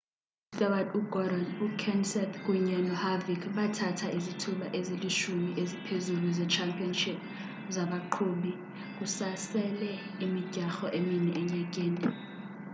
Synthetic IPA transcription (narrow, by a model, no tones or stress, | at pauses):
tʼɔwaduɡ̥ɔɾɔnukʰɛnsɛt̪ʰkʼuɲɛnɔhavikʰɓatʰatʰaʔizitʰulaʔezeliʃumiʔezipʰezuluzɛt͡ʃʰampʰʼiɔnʃip̚ | zaɓaǃʰoːɓi | k̬ʼusasɛlɛ | imiɟ̥ʱaxɔʔeminɛʔɛɲɛk̬ʼeːni